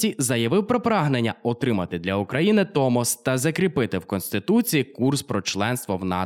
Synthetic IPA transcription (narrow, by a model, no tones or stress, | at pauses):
izɐjɐʋɪwpɾɔpɾɑɦnenʲːɐɔt̪ɾɪmɐt̪ɪd̪lʲɐʊkɾɐjinɪt̪ɔmɔst̪ɐzɐkɾʲipɪt̪ɪwkɔnst̪ɪt̪ut͡sʲijikurspɾɔt͡ʃlˠɛnst̪ʋɔwnɑ̰